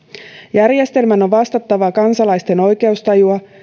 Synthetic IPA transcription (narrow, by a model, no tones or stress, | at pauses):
jærje̞st̪e̞lmæno̞ʋɑst̪ɑt̪ːɑʋɑkɑnsɑlɑjst̪e̞no̞jke̞ust̪ɑjuɑ